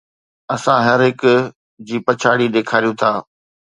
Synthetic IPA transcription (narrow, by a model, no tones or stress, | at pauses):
ɐsãɦɐɾɦɪk | d͡ʑiːpɐt͡ɕʰaːɽiɗ̪eːkʰaːɾijũt̪ʰaː